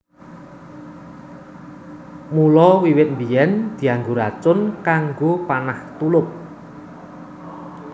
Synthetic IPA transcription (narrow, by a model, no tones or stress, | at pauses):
mulɔwiwɪt̪̚mbijɛnd̪̥i̤aŋɡoɾat͡ʃʊnkaŋɡopanaht̪ulʊp̚